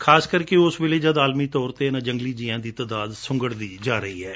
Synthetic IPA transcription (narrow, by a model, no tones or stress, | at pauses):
kʰaːskəɾkeʊsʋɪleːd͡ʒad̪aːlmiːt̪ɔːɾt̪eːnãːd͡ʒəŋɡliːd͡ʒiːãːd̪iːt̪ad̪aːd̪sʊ̃ŋɡəɽd̪iːd͡ʒaːɾəɦḭːɦɛː